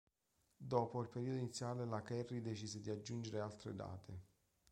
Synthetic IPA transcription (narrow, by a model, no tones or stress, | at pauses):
d̪oːpoilpeɾiːod̪oinit̪sːjaːlelakɛrːid̪et͡ʃiːzed̪iad͡ʒːund͡ʒeɾealt̪ɾḛd̪a̰ːt̪ʰe